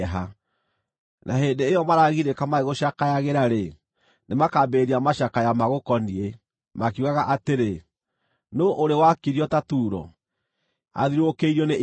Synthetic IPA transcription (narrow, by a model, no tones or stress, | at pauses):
ɦa | nʔaɦendeːjɔmaɾaɣiɾekamaeɣoʃakajaɣeɾaɾe | nemakabeɾiamaʃakajamaɣokɔnie | makiuɣaɣaʔateɾe | noʔoɾewakiɾiɔtatuːɾɔ̰ | a̰ðiɾokeiɾɔne